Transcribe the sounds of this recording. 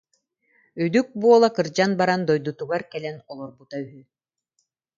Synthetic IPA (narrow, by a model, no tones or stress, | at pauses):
yd̪yk̚buɔlˠakɯɾd͡ʑanbaɾand̪ɔjd̪ut̪uɡaɾkɛlɛnɔlˠɔɾbut̪ayɦy